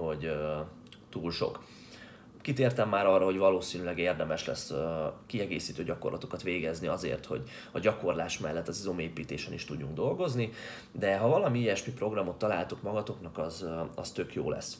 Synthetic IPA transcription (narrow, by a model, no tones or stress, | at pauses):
ho̞ɟ | t̪uːlʃo̞̰k | kit̪eːrt̪ɛmːaːɾɒrːɒɦo̞ɟvɒloːsiːnylɛɡeːrd̪ɛmɛʃlɛ̰skiɛɡḛːsiːt̪øːɟɒko̞rlʔɒt̪o̞kɒt̪ʋeːɡɛzniɒzḛːrt̪ho̞̰ɟ | ɒɟɒko̞rlaːʃmɛlːɛt̪ːɒzizomeːpiːt̪eːʃɛniʃt̪uɟːuŋɡd̪o̞lɡo̞zni | d̪ɛɦɒvɒlɒmiːjɛʃmipro̞ɡrɒmo̞t̪ːɒlaːlt̪ukmɒɡɒt̪o̞knɒkɒzɒ̰st̪ø̞kjo̰ːlɛ̰s